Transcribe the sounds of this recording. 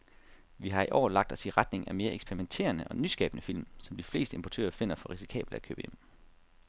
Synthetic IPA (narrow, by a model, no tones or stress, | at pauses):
ʋiɦɑ̈iʔɒ̰ːlɑ̈ɡ̥̚d̥ɒ̽siʁɑ̈d̥ne̝ŋæme̝ːɐeɡ̥sb̥eɐʁiment͡sʰe̝̰ːɐnəʔɒ̽nysɡ̥ɛ̰ːb̥ənəfil̰msɒ̽md̥ifle̝̰ːsd̥əempʰot͡sʰø̰ːɐfe̝n̰ɐfɒ̽ʁisi̥kʰɛ̰ːb̥l̩d̥ækʰø̰ːb̥əem̰